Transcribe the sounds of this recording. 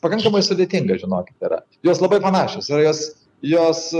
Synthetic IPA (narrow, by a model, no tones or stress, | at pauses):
pɐkɐŋkɐmɐɪsʊd̪ʲeːt̪ʲɪŋɡɐʒʲɪnoːkʲɪ̥t̪ɪɾɐ̰ | joːslˠɐbɐɪpɐnɑːʃʲoːsɪrɐjoːs | joːs